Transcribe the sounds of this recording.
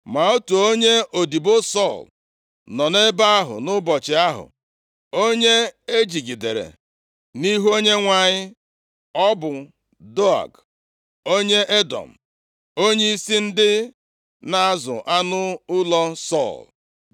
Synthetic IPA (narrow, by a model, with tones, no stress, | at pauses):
ma˨o˦tu˨o˦ɲe˦o˨di˨bo˦sɔ˦˨l | nɔ˨ne˦ba˦a˦ɦʊ̰˨nʊ˦bɔ˨t͡ʃɪ˨a˦ɦʊ̰˨ | o˦ɲe˦e˦d͡ʒi˨ɡi˨de˨ɾḛ˨ | ni˦ɦo˦ɲe˦ŋʷa˨ɲɪ˦ | ɔ˦bʊ˨ | do˦a̰˨ɡ | o˦ɲe˦ʔe˦dɔ̰˨m̩˨ | o˦ɲe˦i˦si˦n̩˦dɪ˦ | na˨a˦zʊ̰˨ʔa˦nʊ˦ʊ˦lɔ˦sɔ̰˦˨l